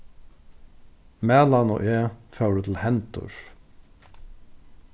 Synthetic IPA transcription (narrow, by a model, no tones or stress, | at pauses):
mæːlɑno̰ːʔeːfœwɾət̪ʰl̩hɛnt̪ʊ̰ɹ